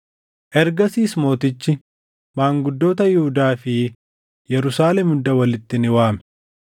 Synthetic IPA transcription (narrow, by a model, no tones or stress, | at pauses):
ʔɛɾɡɐsiːsmo̞ːt̪ɪt͡ʃːɪ | maːŋɡʊd̪ːo̞ːt̪ɐjɪhʊd̪aːfɪ | jɛɾʊsaːlɛmʊd̪ːɐwɐlɪt̪ːɪnɪwaːmɛ